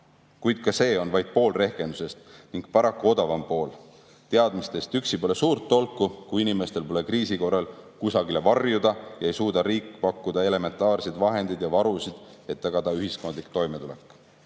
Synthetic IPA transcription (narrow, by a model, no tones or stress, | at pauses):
kujd̪̥̚kɑse̞ːo̞nvɑjd̪̥̚po̞ːlre̞hke̞nd̪̥use̞st̪niŋɡ̥pɑɾɑkːuo̞d̪ɑvɑmpo̞ːl | t̪eɑd̪̥mist̪e̞st̪yksipo̞le̞suːrt̪ːo̞lkːˑukuinime̞st̪elpo̞le̞kriːsiko̞rɑlkusɑɡ̥ile̞vɑrjud̪̥ɑjɑe̞jsuːd̪ɑɾiːkːˑpɑkˑːud̪ɑe̞le̞me̞nt̪ːˑɑːrsed̪̥vɑɦe̞nd̪id̪̥jɑvɑɾusid̪̥ | e̞t̪ːɑɡ̥ɑd̪ɑyɦisko̞nd̪likt̪o̞jme̞t̪ule̞̰kːˑ